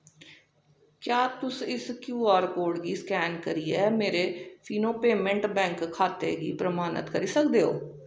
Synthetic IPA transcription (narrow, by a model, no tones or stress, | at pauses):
kjaːt̪ʊsɪskjuːaːɾkoːɽɡiːskɛːnkəɾiːɛːmeːɾeːpʰiːnoːpeːmə̃ɳʈbɛ̃ːŋkʰːaːt̪ḛːɡḭːpɾəmaːnə̰t̪kəɾiːsəkd̪eːɦoː